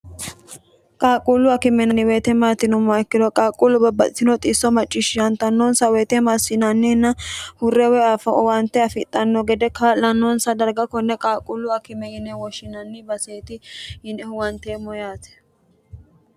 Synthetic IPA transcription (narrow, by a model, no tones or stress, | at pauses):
kʼaːkʼulʊɐkɪmɛnɐnɪweːt̪ɛmaːt̪ɪnʊmːɐɛkːɪd̪ɔkʼaːkʼulːʊbɐbːɐsɪnɔt̪ʼɪsɔmɐt͡ʃʼːɪʃɪʃɐnt̪ɐnːoːnsɐwɛːt̪ɛmasɪnɐnːɪnːɐhʊrːɛwɛaːfɐɔwɐnt̪ːɛɐfɪt̪ʼːɐnːɔɡɛd̪ɛkaːlɐnːonsɐd̪ɐɾɡɐkːɔnːɛkʼaːkʼulːʊɐkɪmɛhɪnɛwɔʃɪnɐnːɪbɐseːt̪ɪɪnɛʊwɐnt̪eːmɔjaːt̪ɛ̥